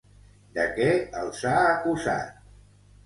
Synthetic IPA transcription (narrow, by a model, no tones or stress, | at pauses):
d̪əkɛəlˠsaːkuza̰t̪̚